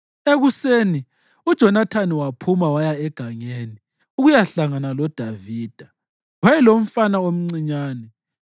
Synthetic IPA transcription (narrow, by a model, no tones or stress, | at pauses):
eɣuseːni | ud̥ʒ̥ʱɔnatʰaniwapʰumawajaɛɡ̥ʱaŋeːni | uɣujaɬaŋanalɔd̥ʱaviːd̥ʱa | wajɛlom̩fanaom̩ŋ͡ǀiɲaːnɛ